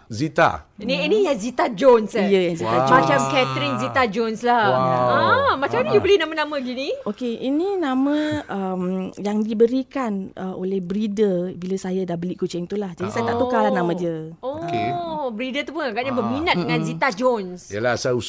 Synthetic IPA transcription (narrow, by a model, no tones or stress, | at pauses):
zit̪a̰niinijazit̪ad͡ʒonsijəjazit̪aat͡ʃamkɛt̪ɾinzit̪ad͡ʒonslaamat͡ʃamɲjubəlihnãmanãmə̃ɡiniokeʔinĩnãmə̃əmjaŋdibəɾikanʔəʔolɛhbɾidəbilasajadahbəlikut͡ʃɪŋt̪ulahd͡ʒadisajat̪aʔt̪ukalanãmãdəookebɾidət̪upunaɡaʔɲabəminat̪dəŋãnzit̪ad͡ʒonsjalasau